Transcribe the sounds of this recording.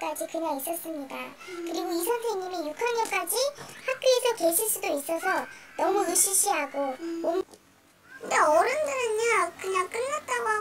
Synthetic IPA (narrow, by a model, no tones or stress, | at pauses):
k͈ad͡ʑikɯɲaŋis͈ʌs͈ɯmɲida̰kɯɾiɡoisʰʌnsʰe̞ŋɲimijukʰanɲʌk͈ad͡ʑihak̚p͈juesʰʌkweɕʰiɭs͈udois͈ʌsʰʌnʌmuiɕ͈ʰiɭɕ͈iɦaɡoom | ɯndeʌɾɯndɯɾɯnɲakɯɲaŋk͈ɯɭːat̚t͈aɡa